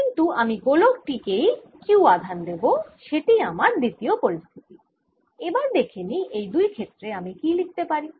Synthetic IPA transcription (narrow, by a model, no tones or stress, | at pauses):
kint̪uamiɡolok̚ʈikej | kiwad̪ʱand̪eboʃeʈiamaɾd̪it̪iopoɾist̪ʰi̥t̪i | ebaɾd̪ekʰeniʔejd̪ujkʰet̪ːɾeamikilik̚t̪epaɾi